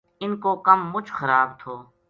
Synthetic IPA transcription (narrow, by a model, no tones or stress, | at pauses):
ɪnkoːkəmːʊt͡ʃʰxəɾaːbt̪ʰoː